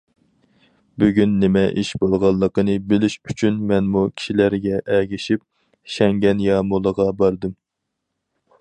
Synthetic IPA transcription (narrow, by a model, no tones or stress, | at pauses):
byɡʲynːɪmɛʔiʃbolˠʁɑlˠːəqənɨbɪlɪʃyt͡ʃʰynmɛnmukʲʰi̥ʃilæɾɡʲɛʔɛɡʲiʃip̚ | ʃɛŋɡʲɛnjɑmolˠəʁɑbɑɾd̪ɨm